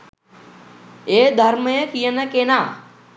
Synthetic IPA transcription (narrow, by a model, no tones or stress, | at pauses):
eːd̪ʱɐɾmɐjəkijənɐkenaː